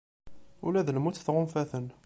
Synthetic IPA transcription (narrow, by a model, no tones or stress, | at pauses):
ṵlæðəlmut͡sːθʁomfæθən